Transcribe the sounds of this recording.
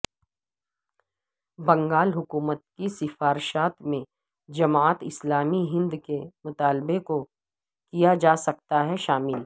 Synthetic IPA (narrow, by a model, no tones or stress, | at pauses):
bɐ̃ŋɡaːlɦʊkuːmət̪̚kisɪfaːɾʃaːt̪mẽ | d͡ʒɐmaːət̪ɪslaːmiɦɪ̃nd̪kemʊt̪aːlbeko | kijad͡ʒaːsɐk̚t̪aɦɛʃaːmɪl